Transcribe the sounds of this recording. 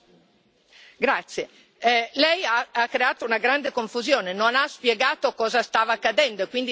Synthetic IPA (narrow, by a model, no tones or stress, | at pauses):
ɡɾat̪sːje | ɛlɛjaakːɾeaːt̪ounaɡɾand̪ekoɱfuzjɔːnenonaspjɛɡaːt̪okɔːzast̪aːvaːkːad̪ɛnd̪oekwind̪i